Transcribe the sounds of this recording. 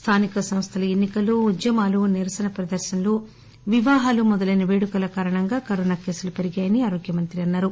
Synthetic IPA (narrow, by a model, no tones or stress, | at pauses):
st̪ʰaːnikɐsɐm̃st̪ʰɐlɐenːikɐloːd̪jɐmaːluniɾɐsɐnɐpɾɐd̪ɐɾʃɐnloː | ʋiʋaːɦaːlumɔd̪ɐlɐjnɐʋeːɽukɐlɐkaːɾɐɳɐŋɡaːkɐɾoːnaːke̞ːsulupe̞ɾiɡaːjɐniaːɾoːɡjɐmɐnt̪ɾiɐnːaːɾu